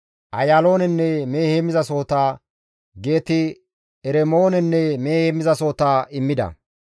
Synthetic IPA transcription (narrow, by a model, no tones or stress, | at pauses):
ʔɐjaːlo̞ːnɛnːɛme̞ːhemɪzɐso̞ːt̪aː | ɡe̞ːt̪ɪ | ɛɾɛmoːnɛnːɛme̞ːheːmɪzɐso̞ːt̪aːɪmːɪd̪ɐ̰